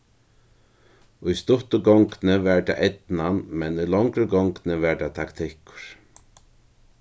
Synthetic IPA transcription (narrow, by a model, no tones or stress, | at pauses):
ʊjst̪ʊht̪ʊɡɔŋknɪvɛɹd̪a̰ʔɛt̪nanmɛnujlɔŋkɾɪɡɔŋknɪvɛɹd̪at̪ʰakt̪ʰɪhkʊ̥ɾ̥